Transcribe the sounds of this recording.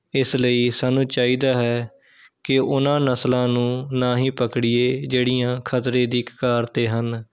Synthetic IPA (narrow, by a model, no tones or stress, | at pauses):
ɪsləiːsaːnũːt͡ʃaːiːd̪aːɦɛː | kɪʊnãːnəslãːnũːnãːɦĩːpəkɽɪjeːd͡ʒeːɽiːjãːkʰət̪ɾẽːd̪iːkkaːɾt̪eːɦən